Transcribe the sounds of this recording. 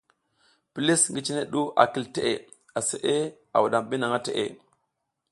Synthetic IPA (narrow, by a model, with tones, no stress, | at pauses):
pi˨li˦sŋɡi˦t͡ʃi˦ne˦ɗu˦ʔa̰˨ki˦˨lte˦˨ʔḛ˨ | a˨se˨ʔe˦ | a˨wu˨ɗa˨mɓi˦na˨ŋa˦te˨ʔḛ˨